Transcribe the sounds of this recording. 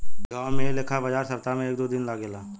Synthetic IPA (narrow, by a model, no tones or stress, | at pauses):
ɡaːwmẽleːkʰabəd͡ʒaːɾsɐɾt̪amẽeːk̚d̪oːd̪ɪnlaːɡelaː